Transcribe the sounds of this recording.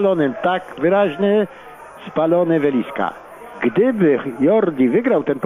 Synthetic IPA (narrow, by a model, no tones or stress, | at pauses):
lɔnɪmt̪akvɘɾaʑnɛ | spalɔnɘvɛlʲiska̰ | ɡd̪ɪbɘjɔɾd̪ʲivɘɡɾawt̪ɛnp